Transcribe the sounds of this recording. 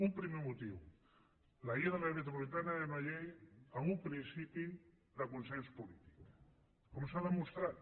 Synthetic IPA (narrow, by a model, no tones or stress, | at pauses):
umpɾimemut̪iw | laiaðelamet̪̬ɾopolit̪anaðenaʎejamumpɾinsipi | ðakunsẽnspulit̪i̥k | komsaðemust̪ɾat̪